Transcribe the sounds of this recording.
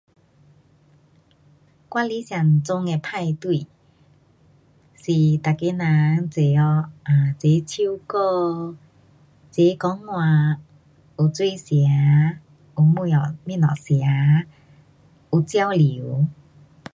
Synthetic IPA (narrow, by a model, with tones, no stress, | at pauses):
kwa˧˥li˧˦sja˨˩nt͡sʊ˧ŋe˧pʰa˥˧jt̪wi˧˨ | si˨˩t̪a˨˩ke˧˦nã˨˧˦ŋt͡se˨˩˦ɔ˧a˨˩t͡se˨˦t͡ɕʰi˦ko˥˧ | t͡se˨˦kɔ˨˦ŋːwa˨˩ | u˨˩t͡swe˥˧˨sja˨˧˦ | u˨mu˧˨ɔ˨˩mĩ˧˨nɔ̰˨˩sja˨˦ | u˨˩t͡sja˥˧wli˨˦